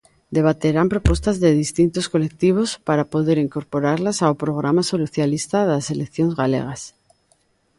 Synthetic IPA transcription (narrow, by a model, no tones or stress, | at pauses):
d̪e̞βat̪e̞ɾampɾo̞pwe̞st̪azðeðist̪int̪osko̞le̞k̚t̪iβ̞o̞spaɾapo̞ðe̞ɾiŋko̞ɾpo̞ɾaɾlasawpɾo̞ɣ̞ɾamasoluθjalist̪aðase̞lekθjoŋzɣalḛɣ̞as